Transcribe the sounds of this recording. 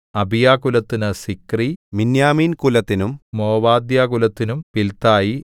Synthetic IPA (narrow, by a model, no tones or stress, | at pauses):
ɐbʱijaːkulɐt̪ːinɨsikriʋinjaːmiːnkulɐt̪ːinummoːʋaːd̪jaːkulɐt̪ːinumpilt̪aːji